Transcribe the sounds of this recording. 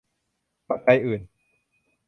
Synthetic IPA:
pa˨ka˧jʔɯː˨˩n

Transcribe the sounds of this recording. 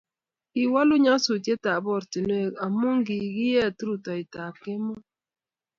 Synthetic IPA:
ki˨wa˦lu˦ɲa˦su˨te˦ta˨bɔ˦˨ɾti˨nwe˦˨ka˨mu˦ŋɡi˨ɡi˦jɛ˦˨tu˦ɾu˨tɔ˨i˨ta˨kɪ˦mɔ˦

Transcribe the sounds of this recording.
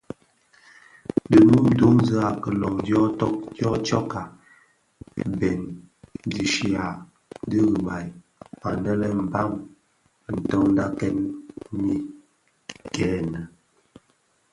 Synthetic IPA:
də˨mu˦m˦do˦ŋzə˦a˨kə˨lɔ˨ŋdjɔ˦tɔ˦k̚djɔ˦t͡ʃɔ˦ka˨ | bɛ˨n | di˨ʃi˨a˨ | di˦ɣə˨ba˨j | pa˨nɛ˦lɛ˦m̩˨ba˦m | n̩˨tɔ˦ŋn˦da˦kɛ˦nmi˦ | kɛː˨˦nə˨

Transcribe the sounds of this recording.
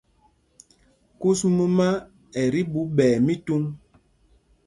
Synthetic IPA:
ku˦smu˦ma˦ | ɛ˨ɾi˦ɓu˨˦ɓɛː˨mi˦tu˦ŋ

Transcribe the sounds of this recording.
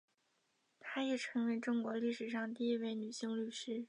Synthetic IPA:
t̪ʰa˥jɛ˨˩ʈ͡ʂʰɤ˧˥ŋwe˧˥ɪʈ͡ʂʊ˥ŋkwɔ˧˥li˥˩ʂɻ̩˨˩ʂ̬ɑ˥˧ŋt̪̬i˥˧i˥we˥˩ɪny˨˩ɕi˥˧ŋly˥˩ʂɻ̩˥˩

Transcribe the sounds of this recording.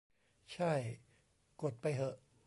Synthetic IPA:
t͡ɕʰa˥˩j | ko˨˩t̪̚pa˧jɦɤ˧˩ʔ

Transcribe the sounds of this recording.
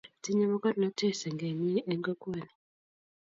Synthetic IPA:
ti˦ɲɛ˦ma˦kɔ˦dnɔ˦te˦˨sɛ˨ŋɡe˨ɲi˦ʔe˦ŋɡɔ˦kwe˦˨ni˨

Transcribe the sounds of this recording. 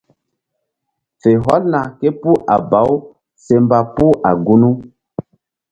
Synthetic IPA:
fe˨ɦɔ˦lna˨ke˦pu˦ʔa˨ba˨˦w | se˨mba˨pu˦ʔa˨ɡu˦nu˦

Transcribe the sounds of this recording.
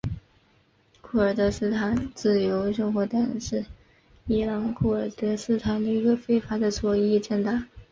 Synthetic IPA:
kʰu˥˩ə˞˨˩t̪ɤ˧˥sɹ̩˥˧t̪ʰa˧˥nt͡sɹ̩˥˩jo˧˥ʊʂə˥˧ŋxwɔ˧˥t̪a˥˩nʂɻ̩˥˩ | i˥lɑ˧˥ŋkʰu˥˩ə˞˨˩t̪ɤ˧˥sɹ̩˥t̪ʰa˧˥nd̪ə˧i˧˥ɡə˧fe˥ɪfa˧˥d̪ə˧t͡swɔ˧˥i˥˩t͡ɕɛ˥˩nt̪a˥˩

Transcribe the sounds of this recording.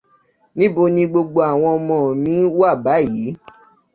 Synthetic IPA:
nĩ˦bo˧nĩ˧ɡ͡bo˧ɡ͡bo˧a˨w̃ɔ̃˧mɔ̃˨nĩ˨˦wa˦˨ba˨˦˨ji˨˦

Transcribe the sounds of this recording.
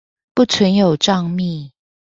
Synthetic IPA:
pu˥˩t͡sʰwə˧˦njo˨˩ʊʈ͡ʂɑ˥˧ŋmi˥˨

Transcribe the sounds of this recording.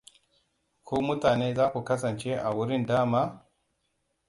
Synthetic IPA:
kʰu˦mu˦taː˨ne˦za˦ku˨ka˦sa˨nt͡ʃe˦ʔa˨wu˦ɾi˦ndaː˦ma˦

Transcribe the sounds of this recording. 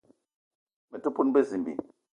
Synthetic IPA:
mɛ˨tu˦pu˦nbe˦zi˨m˨bḭ˨

